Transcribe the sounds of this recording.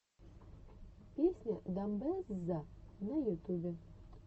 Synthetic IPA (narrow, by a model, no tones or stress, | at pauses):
pʲisʲnʲɐd̪ɐmbɛszanɐjʊt̪ubʲɛ